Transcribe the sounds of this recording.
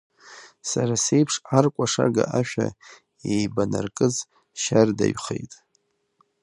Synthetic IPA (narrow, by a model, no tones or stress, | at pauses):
saɾase̞jpʰʂarkʷʼaʂaɡaʔaʃᶣa | ejbanarkʼɨz | ʃardaɥχejtʼ